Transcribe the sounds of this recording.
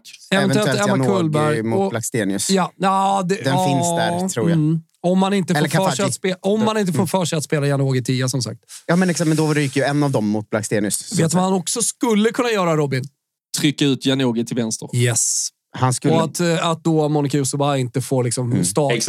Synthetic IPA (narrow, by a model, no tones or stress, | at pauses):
ɛvnɛʉɛllɛakʰʊlːbæɾjmʊɔblakst̪eːnɪɵsjaɑd̪ɛd̪ɛnfɪnsd̪æ̰ɾt̪ʰɾṵːɾja̰ | ɔmhanɪnt̪əfɛlːʰfœɛat̪speːɔmhanɪnt̪əfoːɾfœːʂɛat̪speːlajanoːɡət̪ʰiːasɔmsa̰k̚t̪jɑːmɛnɪksɔmɛnd̪ɔɾjɪkːəjɛnːavd̪ɔmːʊt̪̚blakst̪eːnɪɵsveːt̪vahanɔksɔskɵlːəkʰɵnːajœːɾaɾɔbɪn | t̪ʰɾʏkːaʉ̟ːt̪ʰjanoːɡət̪ʰɪlvɛnst̪əɾjɛs | hanskɵlɔat̪at̪̚d̪ɔmɔnɪkajusəbaɪnt̪əfoːɾɭɪksɔmst̪ɑː